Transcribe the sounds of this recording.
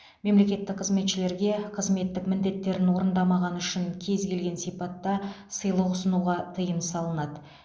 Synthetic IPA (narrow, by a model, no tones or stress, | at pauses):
me̞mle̞kʲe̞t̪ːɪkq̚qʰəzme̞t̪ʃɪle̞ɾɡʲe̞qʰəzme̞t̪ːɪkmɪnd̪e̞t̪ːe̞ɾɪnwo̞ɾənd̪ɑmɑʁɑnʏʃɪŋkʲʰe̞zɡʲe̞lɡʲe̞nsipɑt̪ːɑ | səjlˠəwʊsənuʁɑt̪ʰəjəmsɑlˠənɑd̪ə